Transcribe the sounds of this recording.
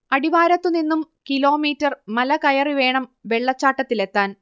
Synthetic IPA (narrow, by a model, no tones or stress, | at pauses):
ɐɽiʋaːɾɐt̪ːuninːum | kilo̞ːmiːtːɐrmɐlɐkɐjɐriʋe̞ːɳɐmʋe̞ɭːɐt͡ɕːaːʈːɐt̪ːile̞t̪ːaːn